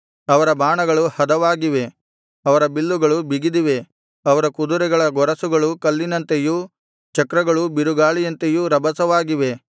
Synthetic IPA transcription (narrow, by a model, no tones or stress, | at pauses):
ɐʋɐɾɐbaːɳɐɡɐɭuhɐd̪ɐʋaːɡiʋe̞ | ɐʋɐɾɐbilːuɡɐɭubiɡid̪iʋe̞ | ɐʋɐɾɐkud̪uɾɛɡɐɭɐɡɔɾɐsuɡɐɭukɐlːinɐnt̪eju | t͡ʃɐkɾɐɡɐɭubiɾuɡaːɭijɐnt̪ejuɾɐbɐsɐʋaːɡiʋe̞